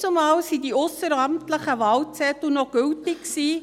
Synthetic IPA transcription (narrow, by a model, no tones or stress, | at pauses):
somɑːlsidiʊsəɾɑmtləχəvɑlt͡sɛt̪unɔɡ̥ʏltɪksiː